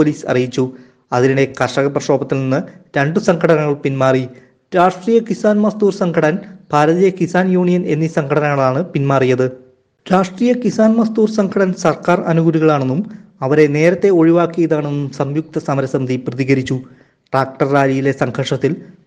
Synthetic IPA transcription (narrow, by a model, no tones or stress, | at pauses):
oliːsɐ̰rijit͡ɕːu | ɐðiniɽe̞kɐʂɐɣɐprɐʂo̞ːbɐt̪ːilninːɨɾeɳɖɨsɐŋkʰɐɽɐnɐŋːɐɭpinmaːri | ɾaːʂʈriːjɐkisaːnmɐst̪uːrsɐŋɡʰʱɐɽɐnpaːɾɐðijɐkisaːnjuːɳijɐne̞nːisɐŋɡʰɐɽɐnɐŋːɐɭaːɳɨpinmaːrijɐðɨ | ɾaːʂʈriːjɐkisaːnmɐst̪uːrsɐŋɡʰʱɐɽɐnsɐrkaːrɐnuɡuɾuɣɐɭaːɳenːumɐʋɐɾe̞ne̞ːɾɐt̪ːe̞o̞ɻiʋaːkːijɐðaːɳe̞nːumsɐmjuk̚t̪ɐsɐmɐɾɐsɐmɐd̪iprɐðiɣɐɾit͡ɕːu | ʈraːk̚ʈɐrːaːlijile̞sɐŋɡʰʱɐʂɐt̪ːil